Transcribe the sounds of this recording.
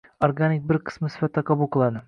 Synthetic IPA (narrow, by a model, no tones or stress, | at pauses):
oɾɡanɪk̚ʲbɪɾqʰɨ̥smɪsɪ̥fat̪ːaqʰɑbulˠqʰɨlˠad̪ɪ